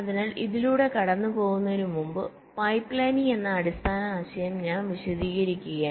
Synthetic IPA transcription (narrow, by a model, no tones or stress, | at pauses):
ɐðinaːlḭðiluːɽe̞kɐɽɐnːɨpo̞ːɣunːɐoɾumumbɨ | pɐjpːlaːnie̞nːɐɐɽist̪ʰaːnɐaːɕɐjɐmɲaːnʋiɕɐðiːɣɐɾikʲːuɣɐja